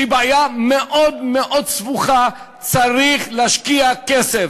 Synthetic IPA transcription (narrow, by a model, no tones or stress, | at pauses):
ibeajameʔo̞d̪meʔo̞d̪svuχa | t͡saʁiχleaʃkiakesef